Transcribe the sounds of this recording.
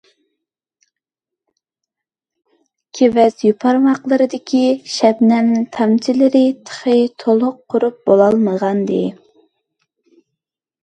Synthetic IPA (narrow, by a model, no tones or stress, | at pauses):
kʲʰevɛzjupʰɑɾmɑqlˠəɾɨd̪ɪkʲʰiʃɛbnɛnt̪ʰɑmt͡ʃʰilɪɾɪt̪ʰə̥χət̪ʰolˠʊqʰːʊɾup̚b̥olˠɑlˠməʁɑnd̪ɨ̰